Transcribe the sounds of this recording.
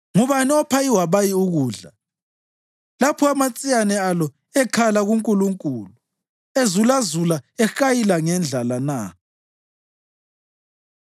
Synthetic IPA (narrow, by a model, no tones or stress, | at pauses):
ŋuβaniɔpʰaiwaβajiuɣuːɮa | lapʰɔamat͡sʼijanɛalɔ | ɛkʰalaɣuŋkʼuluŋkʼuːlu | ezulazulaɛxajilaŋɛnd͡ɮʱalana